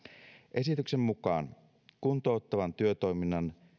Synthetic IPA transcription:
ʔe̞sit̪yksemːukɑ̰ːn | kunt̪o̞ːt̪ːɑʋɑnt̪yøt̪o̞iminːɑn

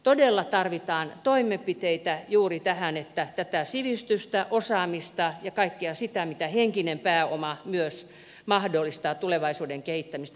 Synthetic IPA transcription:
t̪odelːɑt̪ɑrʋit̪ɑːnt̪oimepit̪eit̪æjuːrit̪æhænet̪ːæt̪æt̪æsiʋist̪yst̪æʔosɑːmist̪ɑjɑkɑikːeɑsit̪æmit̪æheŋkinempæːomɑmyøs | mɑhdolːist̪ɑːt̪uleʋɑisuːdeŋkehit̪ːæmist̪

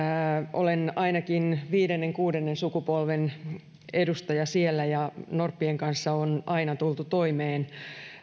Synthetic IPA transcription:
ʔo̰lenɑinɑkinʋiːdenːeŋkuːdenːensukupolʋen | edust̪ɑjɑsielːæjɑnorpːieŋkɑnsːɑonʔɑinɑt̪ult̪ut̪oimeːn

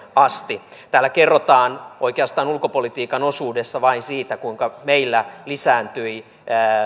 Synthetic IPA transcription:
ɑst̪it̪æːlːækerːot̪ɑːnoikeɑst̪ɑːnulkopolit̪iːkɑnosuːdesːɑʋɑinsiːt̪ækuiŋkɑmeilːælisæːnt̪yi

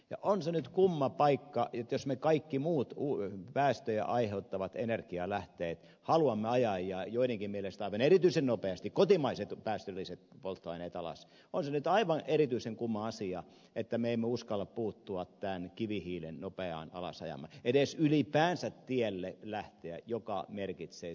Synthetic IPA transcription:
jɑ̰ʔonsenyt̪kumːɑpɑikːɑjot̪josmekɑikːimuːt̪upæːst̪øjæ̰ʔɑiheut̪ːɑʋɑt̪enerkiɑlæht̪eːt̪ | hɑluɑmːeɑjɑjːɑːjoiɾeŋkimmielest̪ɑiʋɑnerit̪yisennopeɑst̪ikkot̪imɑiset̪pæːst̪ølːˑiset̪̚polt̪ːoɑineːt̪ɑlɑ̰s | onsenyt̪ɑiʋɑnʔeɾit̪yiseŋkumːɑɑsiɑ | et̪ːæmeeimːeuskɑlːɑppuːt̪ːuɑt̪t̪ænkiʋihiːlennopeɑ̰ːnɑ̰lɑ̰sɑ̰jɑ̰mɑ̰edesylipæːnsæt̪t̪ielːelæht̪eæ̰jokɑmerkit̪seː

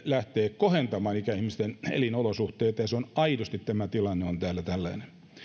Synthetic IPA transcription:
læht̪eːkohent̪ɑmɑːnikæihmist̪enḛlinolosuht̪eːt̪ːɑjɑseonɑidust̪it̪t̪æmæt̪ilɑnːeont̪æːlːæt̪ælːæinen

